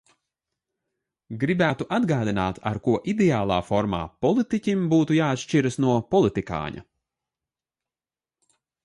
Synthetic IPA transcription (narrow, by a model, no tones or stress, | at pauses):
ɡɾibæːt̪uʔad̪ɡaːd̪inaːt̪ʰa̰ɾkuɔʔid̪ɛaːlˠaːfɔɾma̰ːpɔlˠit̪icʲimbuːt̪ujaːat̪ʃt͡ʃiɾɐsnuɔpɔlˠit̪ika̰ːɲa̰